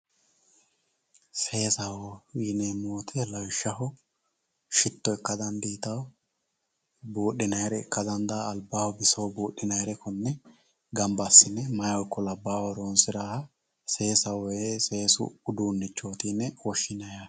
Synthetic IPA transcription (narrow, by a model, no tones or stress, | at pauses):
seːsɐwɔwiːneːmoːt̪ʰɛlɐwʃːɐʊ | ʃɪt̪ːɔɛkːɐd̪ɐnd̪iːt̪ɐw | buːɗɪnɐjɾɛɪkːɐd̪ɐnd̪aːlbaːwɔbɪsɐwbuːɗːɪnɐjɾɛkɔnːɛ | ɡɐmbɐsːɪnːɛmɐjɔjkːɔlɐbːaːwɔɾoːnsɪɾaːhɐ | se̞ːsɐwese̞ːsʊ̰ʊd̪unːɪt͡ʃːo̞ːt̪iːnːɛwɔʃːɪnɐja